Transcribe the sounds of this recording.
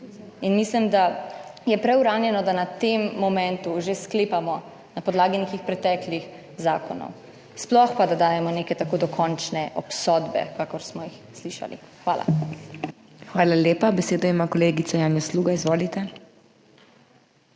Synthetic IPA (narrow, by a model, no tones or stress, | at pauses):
inmislimd̪ajɛpɾɛwɾaːnjɛnɔd̪anat̪emːɔmɛ̃nt̪uʒeskleːpamɔ | napɔd̪laːɡinekixpɾɛt̪ɛːklix | zaːkɔnɔ̰w | splɔxpad̪ad̪aːjɛmɔneːkɛt̪akoːd̪ɔkʰɔnt͡ʃnɛʔɔpsɔd̪bɛ̰kaːkɔɾsmɔjixsliʃa̰lḭxʋaːla̰ | xʋaːlaljeːpabɛseːd̪ɔimakɔleːɡit̪sajaːnjɔsluːɡaizʋoːlit̪ɛ